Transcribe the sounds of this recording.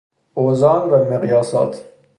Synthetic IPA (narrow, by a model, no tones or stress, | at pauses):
oːzɑːnvæmeɣjɑːsɑ̰ːt̪ʰ